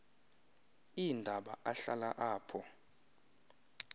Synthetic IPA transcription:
indʱaɓaʔaɬalaʔaːpʰɔ

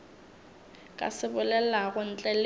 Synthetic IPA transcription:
kʼa̰sɪbʊlɛlaɣʊn̩t͡ɬʼɛl

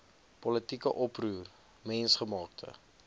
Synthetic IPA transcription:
pɔlətikəʔɔpruːr | mɛnsχəmɑːk̚tʰə̰

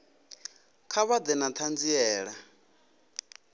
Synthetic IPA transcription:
kʰaβad̪ɛnat̪ʰand͡ziɛːɺa

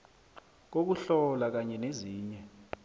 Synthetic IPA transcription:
k̬ok̬uɬɔlak̬aɲɛneziːɲɛ

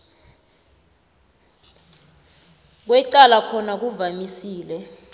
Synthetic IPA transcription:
k̬wɛǀalakʰɔnak̬uvamisiːlɛ

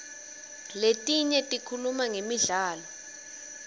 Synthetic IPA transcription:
letʼiɲɛtʼikʰulumaŋemiɮaːlɔ

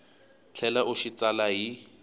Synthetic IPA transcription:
t͡ɬʰɛlaʔʊʃit͡salaɦi

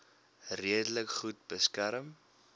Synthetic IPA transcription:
riədələkχut̚bəskæɾəm

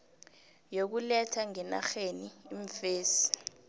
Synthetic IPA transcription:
jok̬ulɛtʰaŋɛna̰xeniiɱfeːsi̥

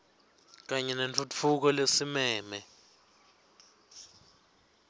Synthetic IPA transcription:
k̬aɲɛnent͡fʰut͡fʰuk̬ɔlesimɛːmɛ

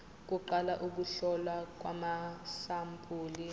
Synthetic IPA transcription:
k̬uǃalaʔuk̬uɬɔlwak̬ʼwa̰masampʼuːli

